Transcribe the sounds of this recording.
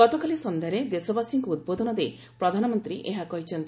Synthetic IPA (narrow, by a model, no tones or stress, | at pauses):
ɔt̪ɔkalisɔnd̪ʱeɾed̪esɔbasiŋkɔud̪̚bod̪ʱɔnɔd̪e | pɾɔd̪ʱanɔmɔnt̪ɾiʔeɦakɔɦit͡ʃʰɔnt̪i